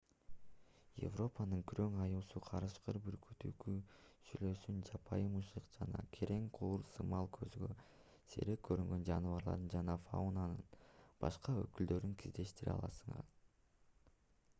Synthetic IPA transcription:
jḛvro̞pɑnɯŋkʰyɾø̞ŋɑjuːsuqʰɑɾɯʃqɯɾbyɾkʰyt̪ykysylø̞synd͡ʒɑpʰɑjɯmɯʃlɯqd͡ʒɑnɑ̰kʰe̞ɾʔe̞ŋqʰuːɾsɯmɑlˠkʰø̞zyɡø̞ | se̞̰ɾek̚kʰːø̞ɾyŋɡø̞nd͡ʒɑnɯvɑɾlˠɑ̰ɾd̪ɯnd͡ʒɑnɑfa̰unanɯnb̥ɑʃqɑøkyld̪ø̞ɾyŋkʰizd̪e̞ʃt̪iɾḭɑ̰lˠɑsɯɴɑ̰ɾ

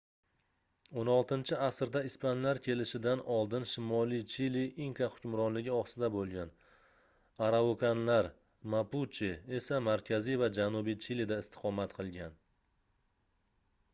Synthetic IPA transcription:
onɒlˠt̪ɪnt͡ʃʰɪasɾd̪aɪspʰanlaɾkʲʰe̞lɪʃɪd̪anɒlˠd̪ɪnʃɪmɒlit͡ʃʰiliʔiŋkaχʊ̥kʲʊmɾɒnlɪɡʲɪɒsɪd̪abolˠɡʲan | aɾaokʰanlaɾ | maput͡ʃʰie̞samaɾkʲʰazijvad͡ʒanubijt͡ʃʰilid̪aɪst̪ʰɪ̥qʰɒmat̪qʰɨlˠɡʲan

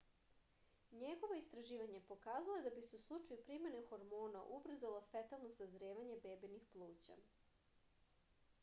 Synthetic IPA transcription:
ɲe̞ɡo̞ʋo̞ist̪ɾaʒiːʋaɲe̞po̞kaːzaloed̪abiseuslˠut͡ʃajupɾime̞ne̞xo̞ɾmoːnaʔubr̩zalofet̪alˠno̞sazɾeːʋaɲe̞beːbinixplˠuːt͡ɕa̰

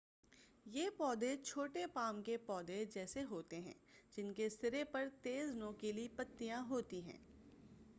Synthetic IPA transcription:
jeːpɔːd̪et͡ʃʰoːʈepaːmkepɔːd̪ed͡ʒɛːseɦoːt̪eɦɛ̰̃ːd͡ʒɪnkest̪ɪɾepɐɾt̪eːznõːkelipɐt̪ːijãɦoːt̪iɦɛ̰̃ː

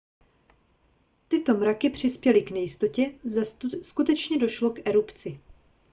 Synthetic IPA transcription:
t̪ɪt̪o̞mɾakɪpr̝̥ɪspjɛlɪknɛjɪst̪o̞cɛzskut̪ɛt͡ʃɲɛdo̞ʃlo̞kʔɛɾupt͡sɪ

